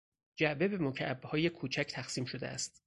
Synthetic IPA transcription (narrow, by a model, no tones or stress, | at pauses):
d͡ʒæʔbe̞be̞mocʰæʔbːhɒːjekʰuːt͡ʃʰæcʰt̪ʰæxsiːmʃo̞d̪ḛæ̰st̪